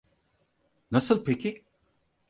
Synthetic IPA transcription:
nɐsəlpʰeki

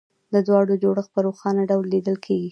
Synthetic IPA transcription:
d̪əd̪wɑɽod͡ʒoɽəxpəɾoxɑnaɖawlːid̪əlkʰeɡi

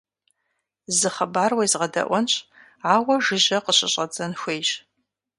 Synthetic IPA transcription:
zɨχɐbaːrwejzʁɐdɐ̰ʔʷɔnɕ | aːwɐʒɨʑɐqəɕʼɪɕʼɐd͡zɐnxʷejʒ

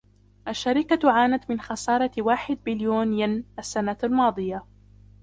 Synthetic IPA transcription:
ʔaʃːaɾɪkaʕaːnat̪mɪnxɑsɑːɾˤɑwaːħɪd̪̚bɪljoːnjanʔasːanaalmɑːd̪ˤɨja

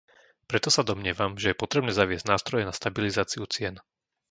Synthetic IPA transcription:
pɾɛt̪ɔsad̪ɔmɲɪɛʋamʒɛjɛpɔt̪ɾɛbnɛːzaʋɪɛzɟnaːst̪ɾɔjɛnast̪abilizaːt͡siut͡sɪɛn

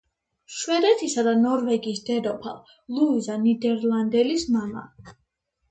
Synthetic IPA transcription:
ʃwɛd̪ɛt̪ʰisad̪anɔɾvɛɡiːsd̪̥ɛɾɔpʰa̰ | lˠuizanid̪ɛɾlˠand̪ɛlismama̰

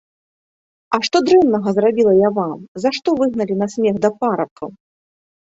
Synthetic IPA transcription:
ɐʂt̪ɔd̪ɾɛmnɐɣɐzrabʲilˠɐjavamzaʂt̪ɔvɨɣnɐlʲinɐsʲmʲɛɣd̪ɐpaɾɐp̚kɐ̰w

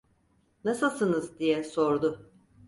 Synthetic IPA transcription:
nasɯlˠsɯnɯzd̪ijɛso̞ɾd̪ʊ

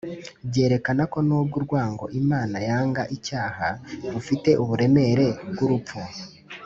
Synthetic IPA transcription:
bɟe̞ːɾe̞kanako̞nuːbɡuɾɡwaːŋɡo̞̰ʔimaːnajaːŋɡaʔicaːhaɾufite̞ʔuβuɾe̞me̞ɾe̞kɡuɾup̪p͡fu

